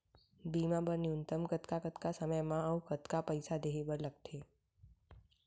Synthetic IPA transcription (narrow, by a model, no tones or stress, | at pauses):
bimãbəniunt̪əmkət̪kakət̪kasəməjmãəũkət̪kapəjsad̪eɦebəɾləɡ̚t̪ʰe